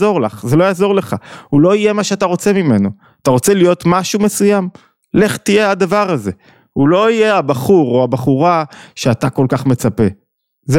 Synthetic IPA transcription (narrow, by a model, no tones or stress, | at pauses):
zo̞ʁlaχzelo̞jaːzo̞ʁle̞χahulo̞ije̞maʃeataʁo̞t͡se̞mime̞no | ataʁo̞t͡selijo̞t̪maʃume̞sujam | le̞χt̪ijeadavaʁaze̞ | ulo̞ije̞abaχuʁoabaχuʁaʃeatako̞lkaχme̞t͡sape̞ | z